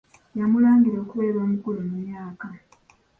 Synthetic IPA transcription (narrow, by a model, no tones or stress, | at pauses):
jamulaːŋɡiɾo̞ːkuβe̞ːɾo̞ːmukulumumjaːka